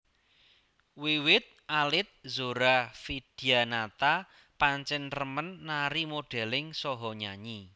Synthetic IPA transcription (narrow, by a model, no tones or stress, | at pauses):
wiwɪt̪̚ʔalɪt̪̚zoɾafid̥ianat̪a | paɲt͡ʃɛnrəmənːaɾimoɖ̥ɛ̤lɪŋsɔɦɔɲaɲi